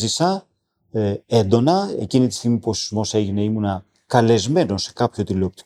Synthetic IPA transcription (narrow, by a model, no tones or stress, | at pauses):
zisɐ | e̞nd̪o̞nɐe̞̰cinit̪ist̪iɣmiposizmo̞se̞ʝine̞imunɐ | kɐle̞zme̞no̞nse̞̥kɐpço̞t̪ilop̚t̪i̥